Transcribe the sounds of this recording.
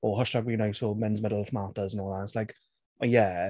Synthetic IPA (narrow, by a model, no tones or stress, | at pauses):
ɔɦʌʃtaɡwiːnawsomɛnzmɪdəl̩ˠfmaːtəzə̃nɔːlˠðatslajk | ajɛ